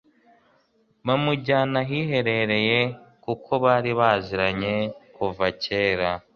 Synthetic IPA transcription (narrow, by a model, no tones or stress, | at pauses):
βamuɟaːnaɦiɦe̞ɾe̞ɾe̞je̞kukʰo̞βaːɾiβaːziɾaɲe̞kuvace̞ːɾa